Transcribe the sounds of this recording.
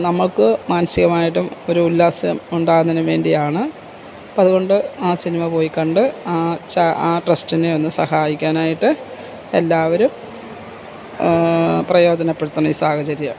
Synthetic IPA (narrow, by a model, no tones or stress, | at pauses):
nɐmːɐɭkɨmaːnɐsiɣɐmaːjiʈ̬ːumo̞ɾuːlːaːsɐɐmuɳɖaːɣunːinɨʋe̞ːɳɖijaːɳɨ | ɐðuɣo̞ɳɖɨaːsinimɐpo̞ːjikːɐɳɖɨaːt͡ɕaaːʈrɐstineo̞nːɨsɐhaːjikʲːaːnaːjiʈːɨ | e̞lːaːʋɐɾum | prɐjo̞ːd͡ʑɐnɐpːeɽut̪ːuɳɐisaːhɐt͡ɕɐɾjɐ